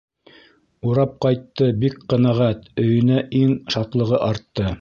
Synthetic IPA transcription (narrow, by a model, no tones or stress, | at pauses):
uɾɑp̚qɑjt̪ːɤbikqɤ̆næʁæt̪ɵ̆jɵ̆næʔiŋʃɑt̪lˠɤ̆ʁɤʔɑɾt̪ːɤ